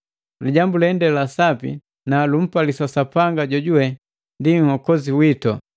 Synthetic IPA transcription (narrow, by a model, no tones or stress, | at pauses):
liɟambulɛndɛlasapḭ | nalum̩palisasapaŋɡaɟɔɟuwɛ | ndiŋhɔkɔziwitɔ̰